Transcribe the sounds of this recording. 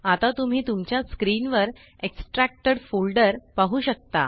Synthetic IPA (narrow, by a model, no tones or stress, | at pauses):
at̪at̪um̤iːt̪umt͡ɕjaskɾinʋəɾ | eksʈɾæk̚ʈəɽfolɖəɾpaɦuːɕək̚t̪a̰